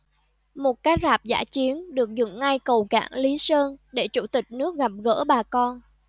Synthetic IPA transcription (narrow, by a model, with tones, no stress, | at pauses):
mo˨˩t̚kaː˨˦j̚zaː˨˩p̚za̰ː˧˥t͡ɕi˨˦ənɗɨ˨˩ək̚zɨ̰˧˩ŋŋa˧jkə˨˩wka̰ː˧˩ŋli˨˦səː˧nɗe˧˩t͡ɕu˧˩t̪ï˨˩k̟̚nɨ˦˥ək̚ɣa˨˩p̚ɣə̰ː˧˥ɓaː˨˩kɔ˧n